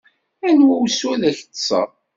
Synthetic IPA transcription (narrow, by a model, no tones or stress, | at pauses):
ænwæwsælæç̥sˤə̰ɾˤ